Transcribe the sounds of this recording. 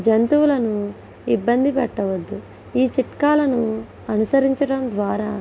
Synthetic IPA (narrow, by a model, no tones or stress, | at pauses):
d͡ʒɐnt̪uwulɐnu | ibːɐnd̪ipɛʈːɐʋɐd̪ːu | iːt͡ʃiʈkaːlɐnu | ɐnusɐɾiɲt͡ʃɐɽɐmd̪ʋaːɾaː